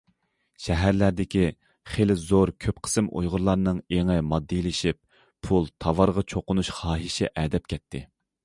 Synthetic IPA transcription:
ʃɛɦæɾlæɾd̪ɪkʲi | χelɪzoɾkʲʰøpqʰə̥sɨmʔo̰jʁʊɾlˠɑɾnɨŋeŋɛmɑd̪ːɨlɪʃip̚ | pʰulˠt̪ʰɑvɑɾʁɑt͡ʃʰoqʊnuʃχɑːɦiʃɛ̰ʔɛd̪ɛp̚kʲʰɛt̪ʰːɪ

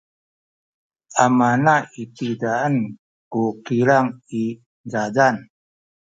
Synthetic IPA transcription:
amanait̪idaən | kukiɾaŋi | zadan

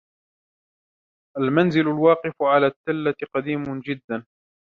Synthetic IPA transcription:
ʔalmanzɪlʊlwɑːqɨfʕalaːt̪ːalːaqɑd̪iːmʊd͡ʒɪd̪ːan

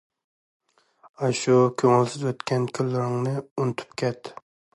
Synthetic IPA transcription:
ɑʃukʲʰøŋɪlsɪzwøt̪kʲʰɛnkʲʰylːɪɾɪŋnɨunɨt̪ʰy̥pkʲʰɛt̪

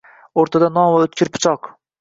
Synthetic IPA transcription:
oɾt̪ʰad̪anɒmvaɵt̪̚kʲʰɪɾpʰɪ̥t͡ʃʰɒq

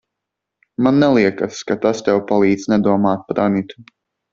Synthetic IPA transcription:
manːɛlˠiɛkaskat̪ast̪ɛwpalˠiːd̪znɛd̪uɔmaːt̪̚paɾʔanit̪u

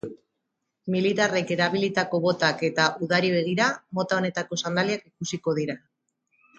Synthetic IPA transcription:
milit̪are̞ke̞ɾaβilit̪ako̞βo̞t̪ake̞t̪aʔuðaɾiβe̞ɣ̞iɾamo̞t̪ao̞ne̞t̪ako̞sand̪aliakikusiko̞ð̞iɾa

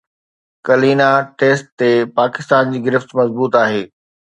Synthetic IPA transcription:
kɐliːnaʈeːsʈ̚t̪ːepaːkɪst̪aːnd͡ʑiːɡɪɾɪft̪mɐzbuːt̪aːɦeː

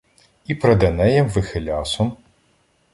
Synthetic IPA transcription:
ipɾɐd̪ɐnɛjɛmʋɪxelʲɑsɔm

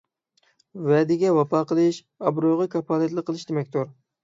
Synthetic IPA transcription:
wɛd̪ɪɡʲɛwɑpʰɑːqəlˠɨʃ | ɑbɾojʁɑkʰɑpʰɑːlˠɨt̪lˠəqʰːəlˠɨʃd̪emɛk̚ʲt̪uɾ

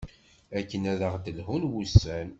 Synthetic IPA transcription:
ækːənæðəʁd̪əlhunwusːæn

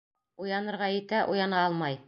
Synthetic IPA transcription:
ujɑnɤ̆ɾʁɑjɘ̆t̪æʔujɑnɑɑlˠmɑj

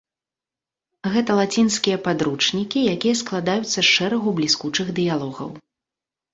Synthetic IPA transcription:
ɣɛt̪ɐlˠat͡sʲinskʲijɐpad̪ɾut͡ʂnʲikʲijakʲijɐsklˠad̪ajut̪sːɐʂɛɾɐɣublʲiskut͡ʂɨɣd̪ɨjalˠɔɣɐ̰w

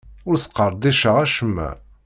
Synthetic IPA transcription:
ʊɾsə̥qːəɾˤd̪iʃəʁæʃəmːæ̰

